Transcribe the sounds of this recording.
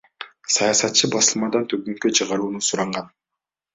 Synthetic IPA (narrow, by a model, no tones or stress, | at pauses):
sɑjɑsɑt̪̚t͡ʃɯbɑsɯlˠmɑd̪ɑnt̪ʰøɡyŋkøt͡ʃʰɯʁɑɾuːnusuɾɑɴɢɑn